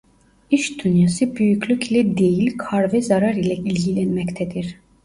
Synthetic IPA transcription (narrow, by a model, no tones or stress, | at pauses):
iʃd̪ynjasɯbyjyclʲyclʲɛd̪e̞jilʲkʰaɾvɛzaɾaɾilʲɛilʲɟilʲɛnmɛct̪ʰɛd̪iɾ̥